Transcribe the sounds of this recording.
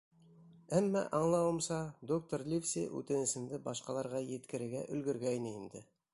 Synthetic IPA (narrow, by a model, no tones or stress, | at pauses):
æmːæ̰ʔɑɴlˠɑwə̆mʃɑd̪ok̚t̪oɾlʲifsḛɵ̰t̪ɘ̆nɪ̆sɘ̆md̪ɪbɑsqɑlˠɑɾʁɑjet̪kʲɪ̆ɾɘ̆ɡʲæʔɵ̰̆lɡʲɪ̆ɾɡʲæjneind̪ɪ